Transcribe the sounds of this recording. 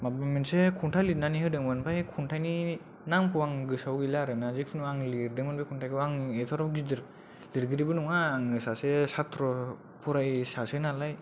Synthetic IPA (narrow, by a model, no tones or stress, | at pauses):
mabamensekʰuntʰajlit̚naniɦɯdɯŋmɯnpʰajkʰuntʰajni | naŋpʰuwaŋɡɯsawɡilaɾɯnazik̚pʰinuŋaŋlidɯŋmanbʰajkʰuntʰajkʰɯaŋet̪ʰɔɾɔɡidɯɾ | liɾɡɯɾibɯnuŋaːŋɯsasesat̪ʰɾɔ | pʰuɾajsasɯnalaj